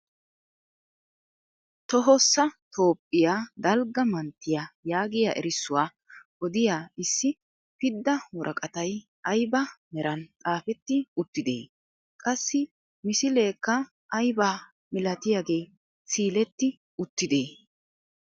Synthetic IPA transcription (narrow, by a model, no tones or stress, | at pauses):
t̪ɔɦɔsːɐt̪ʰo̞ːpʼːɪjaːd̪ɐlɡɐmɐnt̪ːɪjajaːɡɪja̰ʔɛ̰ɾɪsːʊwaː | ʔɔd̪ɪjaːɪsːɪ | pɪd̪ːɐwɔɾʔɐkʼɐt̪ɐj | ʔɐjbɐmɛɾɐnt̪ʼaːfɛt̪ːɪʊt̪ːɪd̪e̞̰ː | kʼɐsːɪ | mɪsɪle̞ːkːɐ | ʔɐjbaː | mɪlɐt̪ɪjaːɡe̞ː | siːlɛt̪ːɪ | ʊt̪ːɪd̪eː